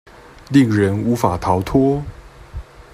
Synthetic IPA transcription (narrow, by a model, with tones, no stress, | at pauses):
li˥˩ŋɻə˧˥nu˧˥fa˨˩t̪ʰɑ˧˥ʊt̪ʰɔ˥